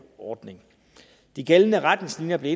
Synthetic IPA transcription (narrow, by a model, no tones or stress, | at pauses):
ɒːd̥ne̝ŋ | d̥iɡ̥elənəʁad̥neslinjɐb̥le̝e